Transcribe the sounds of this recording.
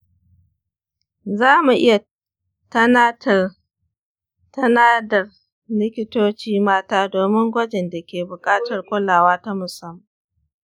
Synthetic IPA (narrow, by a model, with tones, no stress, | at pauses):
zaː˦mu˨ʔɪ˦ja˨ | tɐ˦na˦tɐ˨ | tɐ˦naː˦dɐ˨r | lɪ˦kʲɪ˦toː˦t͡ʃiː˦maː˦taː˦doː˨mɪ˦ŋɡʷɐ˦d͡ʒɛ˨nda˨kʲeː˨bʊ˨kʼaː˦tɐ˨rkʷʊ˦laː˨waː˦ta˦mʊ˨sɐ˦m˨